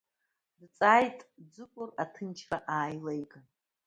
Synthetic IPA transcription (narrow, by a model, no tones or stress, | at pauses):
dt͡sʼaːjtʼd͡zɨkʷʼʊratʰɨnt͡ʃʰraʔaːjlajkʼa